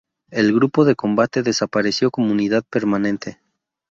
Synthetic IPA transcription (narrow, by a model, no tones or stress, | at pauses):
e̞lɣɾupo̞ðe̞ko̞mbat̪e̞ðesapaɾe̞sjo̞komouniðaðpe̞ɾmanẽ̞nt̪ʰe̞